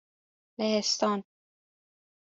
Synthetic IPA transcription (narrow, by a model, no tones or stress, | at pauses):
lehest̪ɒːn